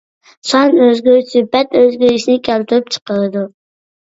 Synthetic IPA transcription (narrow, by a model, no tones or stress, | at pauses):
sɑnøzɡʲyɾsypɛt̪øzɡʲyɾiʃnɪkʲʰælt̪ʰʊɾyp̚t͡ʃʰə̥qəɾɨd̪u